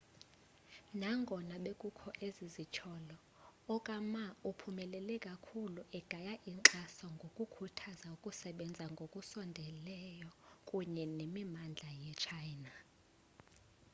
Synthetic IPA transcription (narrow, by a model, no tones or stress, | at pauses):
naŋɡʱɔnaɓekʼukʰɔʔezizit͡ʃʰɔlɔ | ɔkʼamaupʰumɛlɛlɛkʼakʰuluʔɛɡ̥ʱajaʔiǁasɔŋɡʱokʼukʰutʰazaukʼusɛɓɛnd͡zʱaŋɡʱokʼusɔndʱɛlɛjɔkʼuɲɛnemimand͡ɮʱajɛt͡ʃʰajna